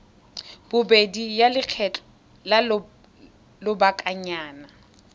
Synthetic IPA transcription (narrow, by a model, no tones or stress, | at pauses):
b̥ʊbedijalɪq͡χʰɛt͡ɬʼɔ | lal | lʊbakʼaɲaːna